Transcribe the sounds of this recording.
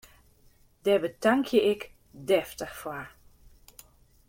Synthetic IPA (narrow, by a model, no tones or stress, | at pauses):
d̥ɛbətaŋkʰjəɪk | dɛftəxfwaɹ